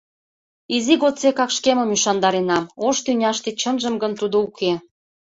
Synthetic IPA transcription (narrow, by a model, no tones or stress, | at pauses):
iziɣot̪t͡sekɑkʃkemə̆myʃɑnd̪ɑɾenɑmoʃt̪ynʲɑʃt̪it͡ɕənʒəmɡənt̪ud̪ouke